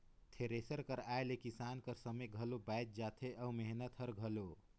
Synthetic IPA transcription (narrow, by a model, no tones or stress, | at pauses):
t̪ʰeɾesəɾkəɾajlekisankəɾsəmeɡʱəlobajt̪̚d͡ʒat̪ʰeʔəwmeɦnət̪ʰhəɾɡʱəlo